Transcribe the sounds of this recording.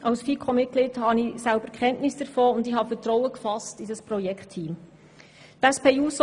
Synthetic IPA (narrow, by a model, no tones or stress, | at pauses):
ʔɑlsfikʰɔmɪt̚ɡ̥liːdhɑːnisælb̥əkʰχɛntnɪsd̥əɾfoːʊndihɑfətɾɔʊəkfɑstid̥ɑspɾɔjɛkχtʰːiːm | tɛspeːuːs